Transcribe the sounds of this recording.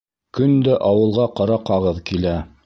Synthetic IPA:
kɵnd̪æʔɑwɤ̆lˠʁɑqɑɾɑqɑʁɤðkilæ

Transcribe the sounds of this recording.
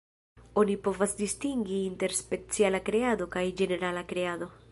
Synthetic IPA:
o̞nipo̞vasdistiŋɡiinte̞ɾspe̞t͡sialakɾead̪o̞kajd͡ʒe̞ne̞ɾalakɾe̞ad̪o̞

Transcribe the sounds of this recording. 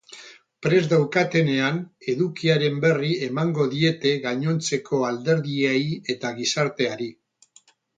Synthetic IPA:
pɾe̞zd̪awkat̪e̞ne̞ane̞ðukiaɾe̞mbe̞rie̞maŋɡo̞ðie̞t̪e̞ɣaɲo̞nt͡se̞ko̞ald̪e̞ɾðieie̞t̪aɣisaɾt̪e̞aɾi

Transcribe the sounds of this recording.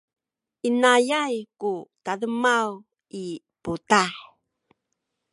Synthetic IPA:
ʔinajajkutadəmaw | i | putaħ

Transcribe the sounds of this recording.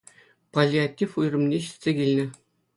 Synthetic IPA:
pɐlʲiatʲːifujrɤ̆mnʲeɕi̥t̪ʲsʲekʲilʲnʲɘ̆

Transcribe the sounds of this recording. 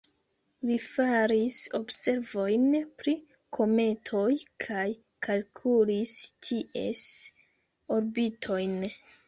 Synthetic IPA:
vifaɾiso̞bse̞ɾvo̞jnpɾi | kʰo̞me̞tʰo̞jkʰaj | kʰalkʰulistʰiʔe̞̰s | oɾbitʰo̞jn

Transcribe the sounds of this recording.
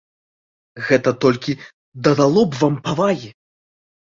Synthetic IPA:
ɣɛt̪ɐt̪ɔlʲkʲi | d̪ɐd̪alˠɔbvampavaɣʲi

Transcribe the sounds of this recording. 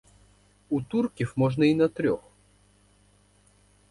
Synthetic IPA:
ut̪urkʲiwmɔʐnɐinɐt̪ɾʲɔx

